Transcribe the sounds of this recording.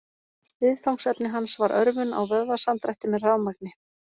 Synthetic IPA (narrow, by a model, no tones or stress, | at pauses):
vɪðfawŋsɛpnɪɦansvaɾʔœɾvʏna̰wvœððasamt̪ɾajht̪ɪmɛraːwmak̚nɪ